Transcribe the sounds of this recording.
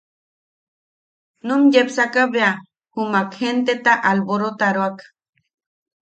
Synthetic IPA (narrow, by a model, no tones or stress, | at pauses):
numjepsakaβea | humakhent̪et̪aʔalboɾot̪aɾoakḁ